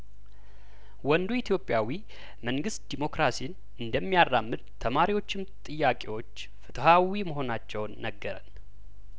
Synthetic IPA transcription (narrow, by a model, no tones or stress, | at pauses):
wɔnd̪uit̪ʰjo̞pʼːjawi | məŋɡɨst̪̚d̪̥imo̞kɾasin | ɨnd̪əmːijarːamːɨd̪t̪ʰəmaɾiwo̞t͡ʃːɪmt̪ʼɨjːakʼewo̞t͡ʃː | fɨt̪ʰəhawiməɦo̞nat͡ʃːɛwnːəɡːəɾən